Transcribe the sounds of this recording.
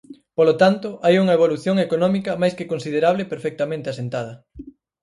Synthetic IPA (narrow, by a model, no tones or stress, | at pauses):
polot̪ant̪ʊʔajuŋɐeβ̞oluθjoŋekonɔmikɐmajskekonsiðeɾaβlepeɾfɛk̚t̪ɐmẽnt̪easent̪að̞ɐ